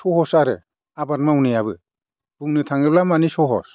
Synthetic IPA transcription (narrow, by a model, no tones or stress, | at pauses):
sɔhɔsaɾɯ | abat̚mawnijaβɯ | b̥uŋnɯtʰaŋɯblamanisɔɦɔ̰s